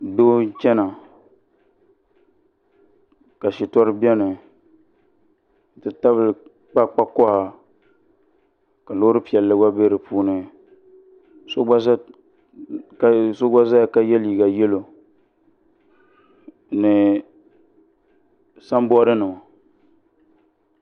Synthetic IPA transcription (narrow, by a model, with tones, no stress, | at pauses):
doː˦t͡ʃɛ˦na˨ | ka˨ʃɪ˨tɔ˦ɾɨ˦bi˦ɛ˦nɨ˨ | n̩˨tɨ˨ta˦βɨ˦l | k͡pa˦k͡pa˦kɔ˦ha˨ | ka˨lo˦ɾɨ˦pi˨ɛ˨lːɨ˦wa˦be˦ɾɨ˨pʰuː˦nɨ˦ | so˦ɡ͡ba˦ | kso˦ɡa˦za˦jka˦jɛ˦li˨ɡa˨jɛ˦lo˨ | nɨ˨ | sa˦m˦bɔ˦ɾɨ˦nɨ˨ma˨